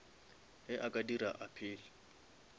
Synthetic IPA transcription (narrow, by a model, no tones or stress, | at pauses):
ɛʔakʼadiraʔapʰɪːlɪ